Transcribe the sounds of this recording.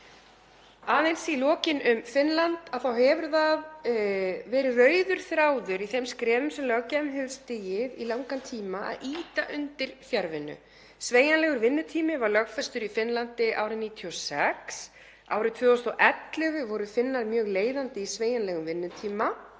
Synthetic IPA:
aːðejnsilɔːcɪnʏmfɪnlant̪aðθawɦɛvʏɾðað | vɛːɾɪrœːɥðʏɾ̥θɾaːwðʏɾiθɛmskɾɛːvʏmsɛmlɛɣawcɛmɦɪlst̪ɪjɪðilawŋkant̪ʰiːmaa̰ðʔiːt̪aʔʏnt̪ɪɾ̥θjaɾvɪnːʏ̰ | sveːjanlɛɣʏɾvɪnːʏt̪ʰiːmɪvaɾlœɣfɛst̪ʏɾifɪnlant̪ɪʔa̰ːwɾɪniːt̪ʰiɔsɛks | a̰ːwɾɪt̪ʰvʏːɔst̪ɔʔɛt̪lɪɣʏvɔɾʏfɪnːaɾmjœːɣleːjðant̪ɪisveːjanlɛɣʏmvɪnːʏt̪ʰiːma

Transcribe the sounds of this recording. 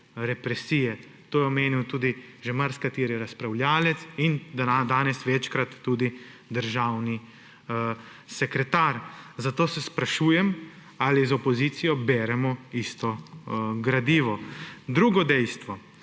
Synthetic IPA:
ɾɛpɾɛsiːjɛ | t̪oːjɛɔmeːniwt̪uːd̪iʒɛmaɾskat̪iːɾiɾaspɾawljaːlɛt̪sind̪d̪aːnɛsʋɛt͡ʃkɾat̪ːuːd̪id̪əɾʒaːwni | sɛkɾɛt̪aːɾzat̪oːsɛspɾaʃuːjɛm | alizɔpɔziːt̪sijɔbɛːɾɛmɔist̪ɔɡɾad̪iːʋɔd̪ɾuːɡɔd̪ɛjst̪ʋɔ

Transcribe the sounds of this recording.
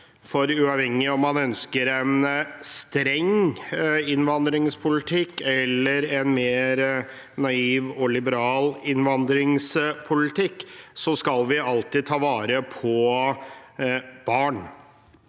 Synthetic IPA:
fɔɾʉɑːʋhɛŋːɪɔmːɑnœnskəɾɛnst̪ɾɛŋ | ɪnʋɑnd̪ɾɪŋspʰʊlɪt̪ʰɪkːɛlːəɾɛnmeːɾ | nɑiːʋɔlɪbəɾɑːlɪnʋɑnd̪ɾɪŋspʰʊlɪt̪ʰɪkːsɔskɑlʋɪɑlt̪ɪːd̪t̪ʰɑːʋɑːɾəpʰɔ | b̥ɑːɳ

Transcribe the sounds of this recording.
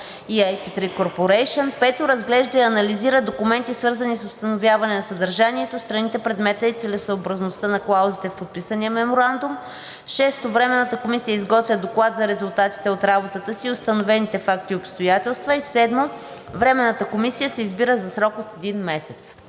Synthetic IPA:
iajpit̪ɾikoɾpoɾɛjʃənpɛt̪oɾɐzɡlɛʒd̪əiɐnɐliziɾəd̪okʊmɛnt̪isvɤɾzɐnisʊst̪ɐnovʲjavɐnɛnɐsɐd̪ɐɾʒaniɛt̪ost̪ɾɐnit̪ɛpɾɛd̪mɛt̪əit̪sɛlɛsəoːbɾɐznost̪ənɐklˠawzit̪ɛfpot̪̚pisənijəmɛmoɾand̪um | ʃɛst̪ovɾɛmɛnət̪əkomisijəizɡɔt̪vʲjəd̪oklˠat̪zɐɾɛzulˠt̪at̪i̥t̪ɛot̪ɾabot̪ət̪əsiʊst̪ɐnovɛnit̪ɛfak̚t̪iopst̪ojat̪ɛlˠst̪vəisɛd̪mo | vɾɛmɛnːət̪əkomisijəsɛizbiɾəzɐsɾɔkot̪ɛd̪inmɛsɛt̪s

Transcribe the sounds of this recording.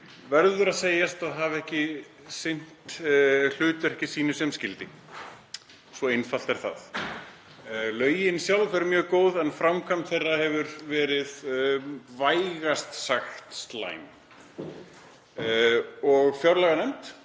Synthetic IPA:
vɛɾðʏɾaðseːjast̪aðɦavɛhcɪ | sɪn̥t̪l̥ʏːt̪ʏɛhcɪsiːnʏ̥sɛmscɪlt̪ɪ | svɔejnfal̥t̪ɛɾ̥θa̰ð | lœːɥjɪnsjawlfɛɾmjœːɣkoːwðɛnfɾamkʰamt̪θejrːahɛvʏɾvɛːɾɪð | vaːjɣast̪saxt̪st̪la̰ːjm | ɔɣfjawɾlaɣanɛm̥t̪

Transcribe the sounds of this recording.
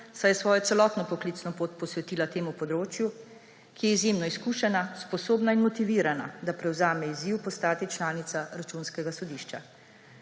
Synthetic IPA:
sajɛsʋɔːjɔt̪ɛlɔt̪nɔpɔklit̪snɔpoːt̪pɔsʋɛt̪iːlat̪eːmupɔd̪ɾoːt͡ʃju | kijɛizjemnɔiskuːʃɛnaspɔsoːbnainmɔt̪iʋiːɾana̰d̪apɾɛwzaːmɛiziwpɔst̪aːt̪it͡ʃlaːnit̪saɾat͡ʃunskɛɡasɔd̪iʃt͡ʃa

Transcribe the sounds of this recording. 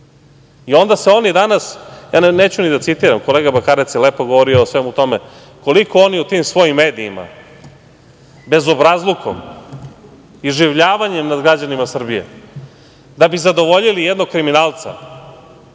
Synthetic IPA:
io̞nd̪aseo̞nid̪anasjaːneːt͡ɕunid̪at̪sit̪iɾamkoleːɡabakaːɾet̪sjeleːpoɡoʋoɾioːsʋemut̪o̞me | ko̞liko̞o̞niut̪imsʋo̞jimːeːd̪iːma̰ | be̞zo̞bɾazlˠukʰo̰m | iʒiʋʎaːʋaɲemnad̪ɡɾad͡ʑanimasr̩bijḛ | d̪abizad̪o̞ʋo̞ʎilijed̪noɡ̚kːɾiminaːlˠt̪sa̰

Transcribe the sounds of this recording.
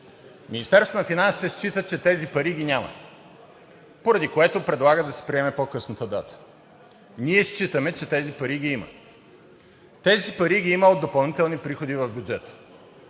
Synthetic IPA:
minist̪ɛɾst̪vonɐfinansi̥t̪ɛst͡ʃit̪ət͡ʃɛt̪ɛzipɐɾiɡinʲamə̰ | poɾɐd̪ikoɛt̪opɾɛd̪lˠaɡəd̪ɐsɛ̥pɾiɛmɛpokɤsnət̪əd̪at̪ə̥ | niɛst͡ʃit̪əmɛt͡ʃɛt̪ɛzipɐɾiɡ̟iimə̰ | t̪ɛzipɐɾiɡʲiiməod̪opɐlˠnit̪ɛlˠnipɾixod̪ivɐvbʲjud͡ʒɛt̪ə̥

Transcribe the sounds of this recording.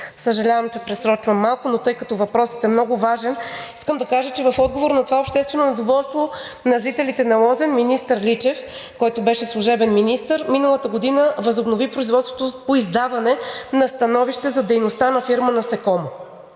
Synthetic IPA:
səʒɐlʲavɐmt͡ʃɛpɾɛsɾɔt͡ʃvəmːalˠkʊnot̪ɤjkɐt̪ɔvɐpɾɔsə̥t̪ɛmnɔɡʊvaʒɛniskəmd̪ɐkaʒət͡ʃɛvɐfɔd̪̚ɡovoɾnɐt̪ovaopʃt̪ɛst̪vɛnonɛd̪ovɔlˠst̪vo | nɐʒit̪ɛlit̪ɛnɐlˠɔzɛnminist̪əɾlʲit͡ʃɛfkɔjt̪ʊbɛʃɛslˠuʒɛbɛnminist̪əɾminəlˠət̪əɡod̪inəvɐzobnovipɾoizvɔt̪st̪vot̪opoizd̪avɐnɛnɐst̪ɐnɔviʃt̪ɛzɐd̪ɛjnost̪anɐfiɾmənɐsɛkɔmo

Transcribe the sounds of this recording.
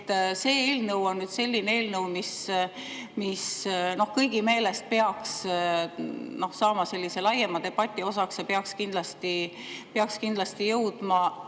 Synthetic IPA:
t̪ːse̞ːeːlnəwo̞nːyd̪se̞lʲːinee̞ːlnəwmis | misno̞hkɤjɡ̥ime̞ːle̞st̪̚pe̞ɑks | no̞hsɑːmɑse̞lʲːise̞lɑjemɑd̪e̞b̥ɑt̪ʲːˑio̞sɑksjɑpeɑkskind̪̥lɑst̪i | peɑkskind̪lɑst̪ijɤwd̪̥mɑ

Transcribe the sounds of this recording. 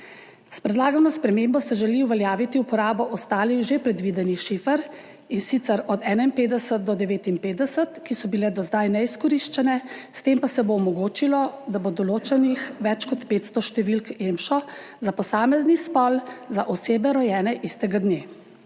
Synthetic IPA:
spɾɛd̪laːɡanɔspɾɛmeːmbɔsɛʒɛliwʋɛljaːʋit̪iupɔɾaːbɔʔɔst̪aːlixʒepɾɛd̪ʋiːd̪ɛnixʃifəɾ | insit̪sɛɾɔd̪ɛːnainpeːd̪ɛsət̪̚d̪ɔd̪ɛʋeːt̪inpeːd̪ɛsət̪kisɔbilɛd̪ɔzd̪ajnɛiskɔɾiʃt͡ʃɛnɛst̪empasɛboːmɔɡoːt͡ʃilɔd̪abod̪ɔloːt͡ʃɛnixʋɛt͡ʃkɔt̪peːt̪st̪ɔʃt̪ɛʋilkemʃɔ | zapɔsaːmɛznispɔlzaʔɔseːbɛɾɔjɛːnɛʔist̪ɛɡad̪ne

